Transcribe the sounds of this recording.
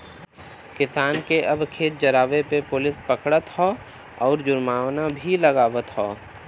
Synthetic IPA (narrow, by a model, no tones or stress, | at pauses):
kɪsaːnkeʔɐbkʰeːt̪̚d͡ʒɐɾaːʋepepʊlɪspəkɽət̪hɔː | ɔːɾd͡ʒʊɾmaːwnabʱiləɡaːʋət̪ɦɔː